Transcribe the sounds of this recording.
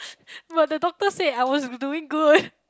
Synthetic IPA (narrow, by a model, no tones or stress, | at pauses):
bʌt̪̚ðədɔk̚təsɛdaɪwɔzduɪ̃ŋɡʊd